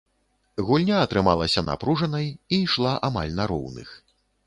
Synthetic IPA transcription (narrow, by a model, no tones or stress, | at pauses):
ɣulʲnʲaɐt̪ɾɨmalˠɐsʲɐna̰pɾuʐɐnɐjiʂlˠaʔama̰lʲnɐɾɔ̰wnɨ̰x